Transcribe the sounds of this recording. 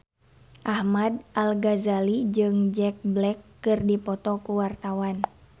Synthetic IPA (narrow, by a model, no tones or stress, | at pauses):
ʔahmadalɡazalid͡ʒɨŋd͡ʒɛk̚blɛkːɨrdipɔt̪ɔkuwart̪awan